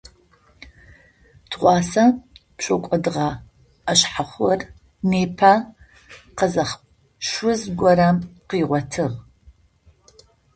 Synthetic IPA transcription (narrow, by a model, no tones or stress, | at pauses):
tʰʁʷɑːsɐpɕʷɔkʷʼɐdɨʁɐ | ɐɕħaχʷɔr | neːpʰaː | qɐzɐχ | ʃʊzɡʷɔɾamqiːʁʷɔtʰɨʁ